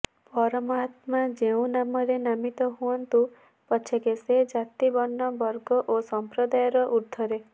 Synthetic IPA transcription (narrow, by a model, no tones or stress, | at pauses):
pɔɾɔmɔat̪mad͡ʒeũnamɔɾenamit̪ɔɦuɔnt̪u | pɔt͡ʃʰekesed͡ʒat̪ibɔnːɔbɔɾɡɔʔosɔmpɾɔd̪ajɔɾɔʔuɾt̪ʰɔɾe